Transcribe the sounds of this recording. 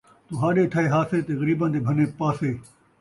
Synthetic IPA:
t̪uːɦãːɗeːʈʰaːeːɦaːseːt̪eːɣəɾiːbãnd̪eːbʱɐneːpaːseː

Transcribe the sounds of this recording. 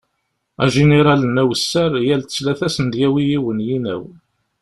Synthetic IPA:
æ̰ʒeneɾˤɑlənæwəsːæɾjælt̪ə̥t͡sːlæθæsənd̪jæwijiwənjinæ̰w

